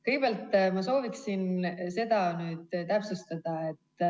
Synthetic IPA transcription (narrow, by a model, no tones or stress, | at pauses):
kɯjɡ̚b̥ælt̪ːˑmɑso̞ːviksinse̞d̪̥ɑnyːd̪̥t̪æpsust̪ɑd̪̥ɑe̞t̪ːˑ